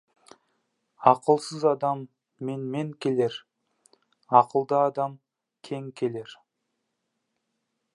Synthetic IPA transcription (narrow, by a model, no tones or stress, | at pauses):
ɑqəlˠsəzɑd̪ɑmː | enme̞ŋkʲʰe̞le̞ɾ | ɑqəlˠd̪ɑːd̪ɑm | kʲʰe̞ŋkʲʰe̞le̞ɾ